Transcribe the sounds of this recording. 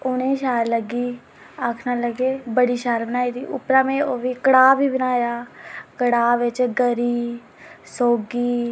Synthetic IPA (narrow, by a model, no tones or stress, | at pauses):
ʊnẽːʃaːɾləɡiː | akʰnaːləɡeːbəɽiːʃaːɾbənaːiːd̪iːʔʊpɾãːmẽːoːʋiːkəɽaːʋiːbənaːjaːkəɽaːʋɪt͡ʃɡəɾiː | soːɡiː